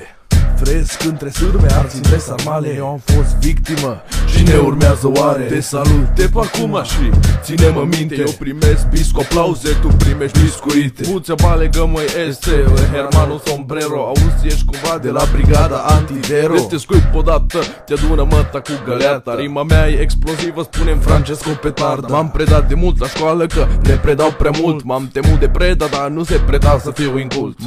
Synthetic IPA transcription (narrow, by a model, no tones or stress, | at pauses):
fɾeskɨnt̪ɾesuɾmeasiesamalejewamfost̪vikt̪iməʃineuɾmeazəwaɾed̪esalut̪epakumaʃisineməmĩnt̪ej̪ewpɾimest̪biskaplawset̪upɾimeʃiskuit̪ebut͡sʲabaleɡəmojesseɦeɾmanosompɾeɾoausieʃi̥kumvad̪elabɾiɡad̪aant̪iveɾet̪eskujt̪̚od̪at̪ət̪jad̪unəmət̪akuɡəlat̪aɾiməmeaeeksplozivəspunemfɾant͡ʃeskopet̪aɾd̪mampɾed̪at̪̚d̪emult̪laʃkwaləkənepɾed̪aw̚pɾamult̪mamt̪emut̪d̪epɾed̪ad̪anusepɾed̪asəfiuiŋkuss